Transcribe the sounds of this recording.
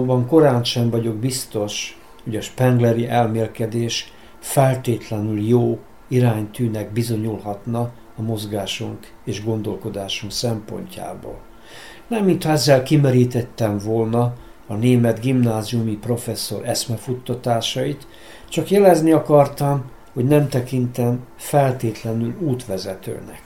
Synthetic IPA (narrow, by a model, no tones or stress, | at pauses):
bɒŋko̞ɾaːnʃɛɱvɒɟo̞ɡbist̪o̞ʃ | ho̞ɟɒʃpɛŋɡlɛɾiʔɛlmeːlkɛd̪eːʃ | fɛlt̪eːt̪lɛnyljoː | iɾaːɲt̪yːnɛɡbizo̞ɲulɦɒt̪nɒː | mo̞zɡaːʃuŋk | eːʒɡo̞nd̪o̞lko̞d̪aːʃuŋksɛmpo̞̰ɲca̰ːbo̰ːl | nɛmːint̪hɒɛzːɛlkimɛɾiːt̪ɛt̪ːɛɱvolnɒː | neːmɛd̪ɡimnaːziumipro̞fɛsːo̞ɾʔɛsmɛfut̪ːɒt̪aːʃɒit̪ | t͡ʃɒkjɛlɛzniɒkɒrt̪ɒm | ho̞ɟnɛmt̪ɛkint̪ɛɱ | fɛlt̪eːt̪lɛnyluːt̪ʋɛzɛt̪ø̰ːnɛ̰k